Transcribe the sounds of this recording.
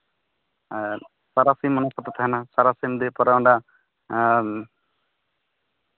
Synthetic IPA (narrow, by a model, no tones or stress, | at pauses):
saɾasimːɔnapɔt̪ːɔt̪aɦɛnasaɾasimd̪ɛpɔɾaɔɳɖa